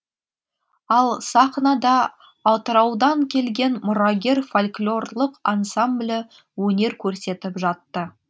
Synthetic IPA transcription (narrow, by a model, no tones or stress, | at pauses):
ɑlˠsɑχnɑd̪ɑː | t̪əɾɑwd̪ɑŋkʲʰe̞lɡʲe̞nmʊɾɑɡʲe̞ɾfolʲklʲo̞rlˠəqansamblʲɪ | wɵne̞ɾkʲʰɵɾse̞t̪ɪpʒɑt̪ːə